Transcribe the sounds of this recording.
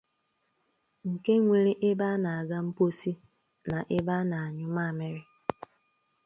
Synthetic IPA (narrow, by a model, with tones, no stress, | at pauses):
ŋ̩˨ke˦ŋʷe˦ɾi˦ʔɪ˦ba˦na˨a˨ɡa˦m̩˦po˦si˦ | na˨ʔɪ˦ba˦na˨a˨ɲʊ˦ma˦˨mɪ˦ɾɪ˦